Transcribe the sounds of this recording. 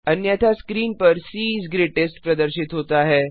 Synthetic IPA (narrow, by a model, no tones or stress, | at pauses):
ənjat̪ʰaskɾiːnpəɾsiːsɡɾeʈesʈpɾəd̪əɾɕit̪ɦot̪aɦe